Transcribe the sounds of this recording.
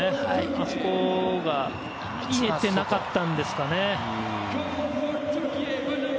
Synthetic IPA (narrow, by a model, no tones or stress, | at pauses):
easokoɡa | iet̪e̞nakat̪ːãnd̪e̞sɨ̥kane̞